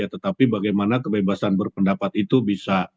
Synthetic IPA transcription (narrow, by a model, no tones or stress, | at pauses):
at̪ət̪apibaɡajmanakəbebasanbərpəndapat̪it̪ubisa